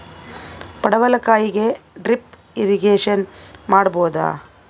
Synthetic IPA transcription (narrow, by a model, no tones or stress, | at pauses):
pɐɽɐʋɐlɐkaːjiɡeɖɾip | iɾiɡeːʂɐnmaːɽboːd̪a̰ː